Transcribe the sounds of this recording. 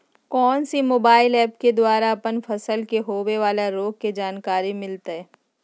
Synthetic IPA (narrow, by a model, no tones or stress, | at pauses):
kɔːnsimoːbaːɪlɛːp̚ked̪waːɾaɐpənfʰɐsəlkeɦoːweʋaːlaɾoːɡ̚ked͡ʒaːnkaːɾimɪlt̪aɦɛː